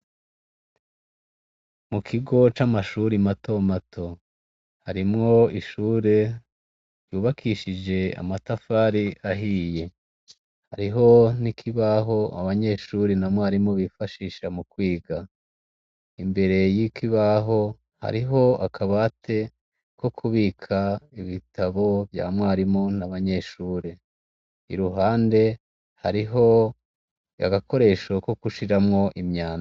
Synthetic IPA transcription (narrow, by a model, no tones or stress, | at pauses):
mukʰiɡo̞t͡ʃamaʃuɾimato̞matʰo̞ | haɾimŋo̞iʃuːɾe̞ | ɾjuːβakʰiʃid͡ʒe̞a̰matafaɾiaɦiːje̞ | ha̰ɾiɦo̞nikʰiβaɦo̞a̰βaɲe̞ːʃuːɾinamŋohaɾimŋo̞βifaʃiːʃamukwiːɡa | imbe̞ɾe̞jikʰiβaɦo̞ | ha̰ɾiɦo̞akʰaβatʰe̞ | ko̞kʰuβiːkʰaiβitʰaβo̞vja̰ːmŋwaːɾimo̞naβaɲe̞ʃuːɾe | ḭɾuɦaːnde̞ | haɾiɦo̞ | ja̰ɡako̞ɾe̞ʃokokuʃiɾamŋo̞ʔimɲaːn